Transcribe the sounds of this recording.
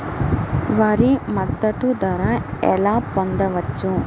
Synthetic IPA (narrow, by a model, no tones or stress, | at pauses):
ʋɐɾimɐt̪ːɐt̪ud̪ɐɾɐɛ̰laːpond̪ɐʋɐt͡ʃːu